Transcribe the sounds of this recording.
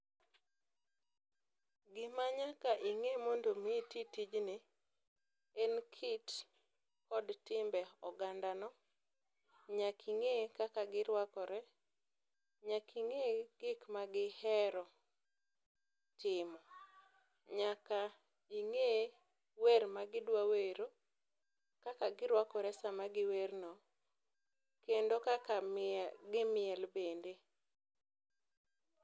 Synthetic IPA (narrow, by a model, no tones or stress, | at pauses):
ɡɪmaɲakaʔiŋemondomititid͡ʒnɪ | enkʰit | kɔdtɪmbɛɔɡandanɔ | ɲakʰiŋekakaɡɪɾwakɔɾɛ | ɲakʰiŋeɡ̥ɪkmaɡɪhɛɾɔ | tɪmɔ | ɲaka | iŋe | weɾmaɡɪdwaweɾo | kakaɡɪɾwakɔɾɛsamaɡɪwernɔ | kendokakaɡɪmɪɛlbende